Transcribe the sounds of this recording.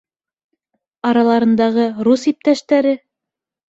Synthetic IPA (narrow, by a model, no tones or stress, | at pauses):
ɑɾɑlˠɑɾɤ̆nd̪ɑʁɤɾusip̚t̪æʃt̪æɾɘ